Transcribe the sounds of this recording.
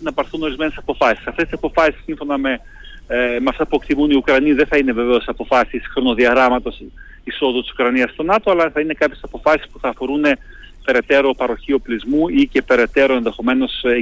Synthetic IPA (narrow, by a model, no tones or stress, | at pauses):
nɐpɐɾθuno̞ɾizme̞nesɐpo̞fɐsi̥sɐft̪est̪isɐpo̞fɐsi̥sːiɱfo̞nɐme | meɐft̪ɐpue̞kt̪imuniukɾɐniðeθɐine̞ve̞veo̞sɐpo̞fɐsisxɾo̞no̞ðiɐɣɾɐmɐt̪o̞s | iso̞ðut̪isu̥kɾɐniɐst̪o̞nɐt̪o̞ɐlɐθɐine̞kɐpçe̞sɐpo̞fɐsi̥spu̥θɐːfo̞ɾune̞ | pe̞ɾe̞t̪e̞ɾo̞pɐɾo̞çio̞plizmuice̞pe̞ɾe̞t̪e̞ɾo̞e̞nðe̞xo̞me̞no̞s